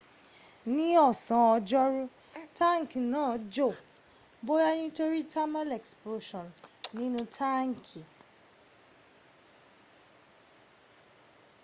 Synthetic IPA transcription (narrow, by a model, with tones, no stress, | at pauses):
nĩ˦ɔ˦˨sã˨ɔ˧d͡ʒɔ˦ɾu˦ | ta˦ŋ̩˨ki˨nãː˦˨d͡ʒo˦˨ | bo˦ɾa˦nĩ˦to˦ɾi˦tʰa˦mã˦lɛ˨ksplo˧˦ʃɔ̃˨nnĩ˦nũ˦tʰa˦ŋ̩˨kʰi˨